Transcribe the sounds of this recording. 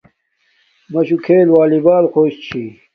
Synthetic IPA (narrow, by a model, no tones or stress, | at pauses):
mɐɕukʰeːlwaːlibaːlxoːɕt͡ɕʰi